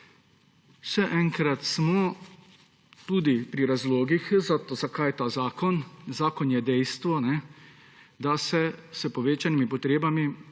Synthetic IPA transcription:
ʃɛʔɛŋkɾat̪smɔ | t̪ud̪ipɾiɾazloːɡixzat̪zakajt̪aːzaːkɔnzaːkɔnjɛd̪ɛjst̪ʋɔnɛ | d̪asɛsəpɔʋeːt͡ʃanimipɔt̪ɾeːbami

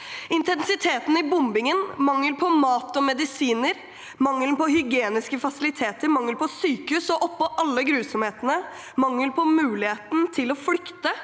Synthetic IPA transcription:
ɪnt̪ʰɛnsɪt̪ʰeːt̪n̩ɪbʊmbɪŋənmɑŋːəlpʰɔmɑːt̪ɔmɛd̪ɪsiːnəɾ | mɑŋːəlnpɔhʏɡeːnɪskəfɑsɪlɪt̪ʰeːt̪əɾmɑŋːəlpʰɔsyːkəʉːsɔʔɔpːɔʔɑlːəɡɾʉːsɔmheːt̪ənə | mɑŋːəlpʰɔmʉːlɪheːt̪n̩t̪ʰɪlɔflʏkt̪ə

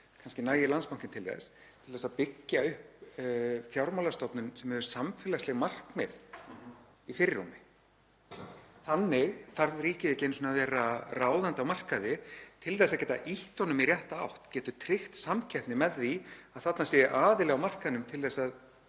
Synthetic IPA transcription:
kʰanscɪnaːjɪlanspawŋ̥cɪnt̪ʰɪlθɛ̰s | t̪ʰɪlθɛsaðpɪcːaʏhp | fjawɾmawlast̪ɔpnʏnsɛmhɛvʏɾsamfɛːlaslɛɣmar̥kmɛð | ifɪɾɪːumɪ | θanːɪɣθaɾðɾiːcɪɪcɛːnsɔnavɛːɾaraːwðant̪awmar̥kaðɪt̪ʰɪlθɛsaðcɛːt̪a̰ʔiht̪ɔnʏmirjɛht̪aa̰wht̪cɛːt̪ʏt̪ʰɾɪxt̪samcʰɛht̪nɪmɛðːiaðθat̪nasjɛːʔaːðɪlɛɣawmar̥kaðnʏmt̪ʰɪlθɛsːað

